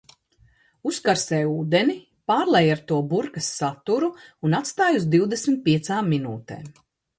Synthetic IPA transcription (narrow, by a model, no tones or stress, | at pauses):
uskaɾsɛːjuːd̪eni | paːɾlˠɛjaɾt̪uɔbuɾkɐsːat̪uɾuunat̪st̪aːjuzd̪iwd̪esmit̪̚piɛt̪saːmːinuːt̪ḛː